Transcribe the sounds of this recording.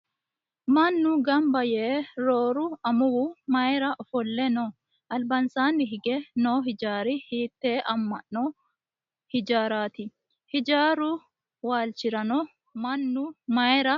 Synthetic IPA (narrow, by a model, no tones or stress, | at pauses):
mɐnːʊɡɐmbɐjɛːɾoːɾʊɐmʊwʊmɐɛɾɐʔɔfɔlːɛnɔ | ʔɐlbɐnsaːnːɪɦɪɡɛnoːɦɪd͡ʒaːɾɪhiːt̪ːeːʔɐmːɐ̰ʔnɔ | hɪd͡ʒaːɾaːt̪ɪ | hɪd͡ʒaːɾʊ | waːlt͡ʃɪɾɐnɔ | mɐnːʊmɐɛɾɐ